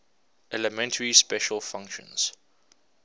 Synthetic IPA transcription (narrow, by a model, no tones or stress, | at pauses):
ʔɛləmɛ̃ntʰəɹispɛʃəlfãŋkʃə̰̃nz̥